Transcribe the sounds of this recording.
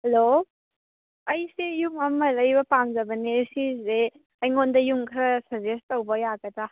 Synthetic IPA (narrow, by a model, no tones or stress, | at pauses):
hɐlo | ɐjsejuŋamːɐlɐjbɐpamzɐbɐnesizɾe | ajŋondɐjuŋkʰɾɐsɐɾzestɐwbɐjaɡɐta